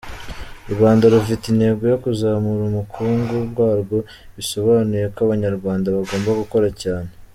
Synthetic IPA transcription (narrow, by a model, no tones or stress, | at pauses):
uɾwaːndaɾufitine̞ːɡo̞jo̞kuzaːmuɾumukʰuːŋɡuβɡwaːɾɡo̞ | βiso̞βanuje̞kaβaɲaɾɡwaːndaβaɡo̞ːmbaɡuko̞ɾacaːne̞